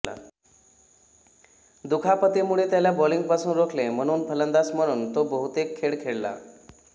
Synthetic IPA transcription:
a̰ | d̪ukʰapət̪emuɭet̪jaljabɔliŋɡ̚pasuːnɾokʰlem̤əɽ̃uːnpʰələnd̪asməɽ̃uːnt̪obəɦut̪ekʰːeɭkʰeɭla̰

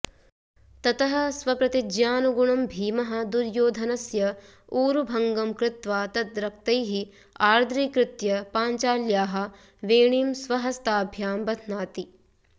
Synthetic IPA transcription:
t̪ɐt̪ɐɦɐ̆sʋɐpɾɐt̪id͡ʒjaːnuɡuɳɐmbʱiːmɐɦɐ̆d̪uɾjoːd̪ʱɐnɐsjɐ | uːɾubʱɐŋɡɐmkɾɪt̪ʋaːt̪ɐt̪̚ɾɐk̚t̪ɐjɦi | aːɾd̪ʱɾiːkɾɪt̪jɐpaːnt͡ʃaːljaːɦɐ̆ | ʋeːɳiːmsʋɐɦɐst̪aːbʱjaːmbɐt̪ʰnaːt̪i

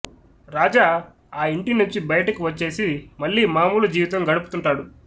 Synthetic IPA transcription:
ɾaːd͡ʒaː | aːiɳʈinuɲt͡ʃibɐjɐʈɐkiʋɐt͡ʃːe̞ːsimɐɭːiːmaːmuːlɐd͡ʒiːʋit̪ɐmɡɐɽupu̥t̪uɳʈaːɽu

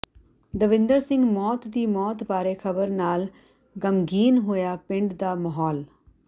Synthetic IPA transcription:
d̪əʋɪ̃nd̪əɾsɪ̃ŋɡmɔːt̪d̪iːmɔːt̪baːɾeːkʰəbəɾnaːl | ɡəmɡiːnɦoːjaːpɪ̃ɳɖd̪aːməɦɔːl

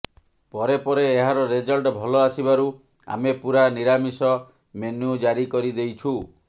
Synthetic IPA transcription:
pɔɾepɔɾeːɦaɾɔɾed͡ʒɔlʈbʱɔlɔasibaɾu | a̰mepuɾaniɾamisɔ | menud͡ʒaɾikɔɾid̪ejt͡ʃʰu

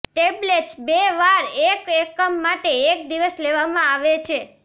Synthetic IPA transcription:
ʈebleʈsbeʋaɾekekːəmːaʈeːk̚d̪iʋəsleʋamãaʋet͡ʃʰe

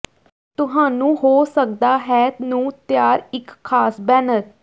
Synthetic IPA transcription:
t̪ʊɦaːnũːɦoːsək̚d̪aːɦɛːt̪nũːt̪jaːɾɪkʰːaːsbɛːnəɾ

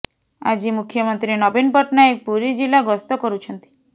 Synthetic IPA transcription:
a̰d͡ʒimukʰjɔmɔnt̪ɾinɔbinpɔʈnaek̚puɾid͡ʒilaɡɔst̪ɔkɔɾut͡ʃʰɔnt̪i̥

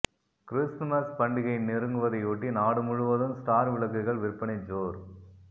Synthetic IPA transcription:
kɪɾɪsʈmɐspɐɳɖɪɣɐɪnɪɾɯŋɡɯʋɐðɐɪuːʈːinaːɽɯmʊɻɯʋɐðɯmsʈaːɾʋɪɭɐkːɯɣɐɭʋɪɾpːɐnɐd͡ʒoːɾ

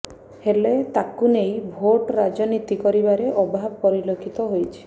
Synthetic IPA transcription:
helet̪akunejbʱoʈɾad͡ʒɔnit̪ikɔɾibaɾeʔɔbʱabpɔɾilokʰit̪ɔɦojt͡ʃʰi̥

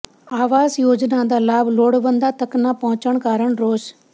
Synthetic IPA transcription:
aːʋaːzjoːd͡ʒnãːd̪aːlaːbloːɽbənd̪aːt̪əknaːpɔɦʊt͡ʃəɳkaːɾəɳɾoːʃ

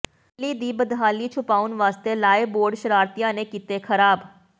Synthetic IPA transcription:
liːd̪iːbəd̪ɦaːliːt͡ʃʰʊpaːʊnʋaːst̪eːlaːeboːɾɖʃəɾaːɾt̪ijãːneːkiːt̪eːkʰəɾaːb

